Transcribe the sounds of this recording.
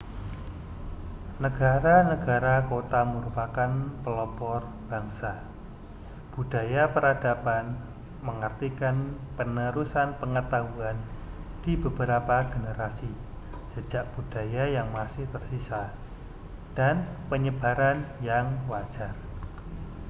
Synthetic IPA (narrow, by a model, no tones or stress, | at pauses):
nəɡ̥aɾanəɡ̥a̤ɾakot̪aməɾupakanpəlɔbɔr | b̥a̤ŋsa | b̥ud̥a̤japəɾadapan | məŋərt̪ikanpənəɾusanpəŋət̪aɦuan | d̥ibəbəɾapaɡ̥ənəɾasi | d͡ʒ̥ə̥d͡ʒ̥aʔ̚b̥ud̥a̤jajaŋmasɪht̪ərsisa | d̥anpəɲəb̥a̤ɾanjaŋwad̥ʒ̥a̤r